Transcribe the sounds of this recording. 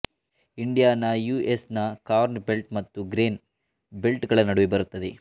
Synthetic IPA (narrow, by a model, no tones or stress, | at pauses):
iɳɖijaːnɐjuːesnɐkaːɾnbelʈmɐt̪ːuɡɾeːn | belʈɡɐɭɐnɐɽuʋibɐɾut̪ːɐd̪e